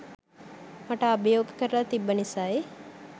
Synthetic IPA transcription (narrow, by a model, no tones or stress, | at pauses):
mɐʈəːbəjoːɡkəɾəlat̪ibːənisaːe